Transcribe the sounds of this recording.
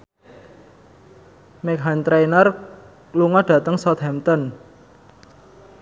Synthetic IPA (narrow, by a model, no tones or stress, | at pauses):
mɛkɦant̪ɾejnər | luŋɔɖ̥ä̤t̪əŋsɔt̪̚hɛmt̪ɔn